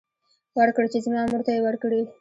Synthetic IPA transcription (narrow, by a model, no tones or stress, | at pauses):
wəɾkɽt͡ʃezmɑmuɾt̪ajewəɾkɽie